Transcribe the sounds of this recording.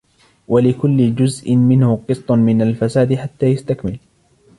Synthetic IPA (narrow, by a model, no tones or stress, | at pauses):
wʔalɪkʊlːɪd͡ʒʊzʔɪnmɪnhʊqɨsˤt̪ˤʊmɪnalfasaːd̪ħat̪ːaːjast̪akmɪl